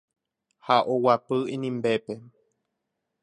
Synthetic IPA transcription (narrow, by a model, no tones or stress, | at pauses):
haʔowapɨĩnĩmbepe